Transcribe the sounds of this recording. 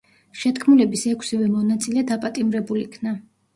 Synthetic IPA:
ʃɛt̪kʰmulɛbisɛkʷʰsivɛmɔnat̪sʼilɛd̪apʼat̪ʼimɾɛbulikʰna

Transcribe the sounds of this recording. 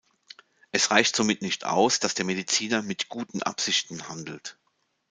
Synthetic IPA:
ʔɛsʁaɪçtz̥omɪtnɪçtʔa̰ʊsd̥asd̥eːɐmedit͡siːnɐmɪtɡ̥uːtn̩ʔa̰pz̥ɪçtn̩handl̩t

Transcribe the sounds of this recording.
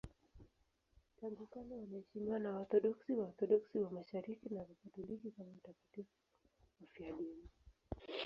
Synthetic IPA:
taŋɡukanɔwanaɛʃimiwanaɔθɔɗɔksiwaɔθɔɗɔksiwamaʃaɾikinavifatulikikamautakatifu | wafiaɗini

